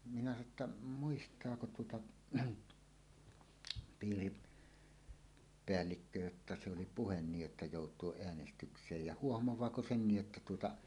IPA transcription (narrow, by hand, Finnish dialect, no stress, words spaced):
minæ sɑno tːɑ muistˑɑːko tuotɑ piːri peælːikːø jotːɑ se oli puhen niːj jotːɑ joˑutˑuoʔ ʔeænestyksˑeːj jɑ huohmowɑːko senːij jotːɑ tuotɑ